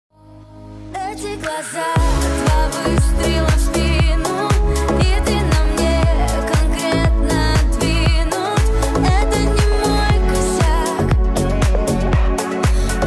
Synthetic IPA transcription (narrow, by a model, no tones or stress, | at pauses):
ɛtʲɪɡlˠɐzavɐvɨst̪ɾʲilˠɐstʲinʊit̪ɨnɐmnʲekɐnkɾʲet̪nət̪vʲinʊɛt̪ənʲɪmojkʊsʲa | k